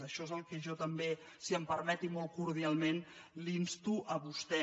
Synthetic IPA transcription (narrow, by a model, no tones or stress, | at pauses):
əʃɔezəlˠkəʒɔt̪əmbe | siəmpəɾmɛt̪imɔlˠkuɾð̞ialˠmen | linst̪uʔəβust̪ɛ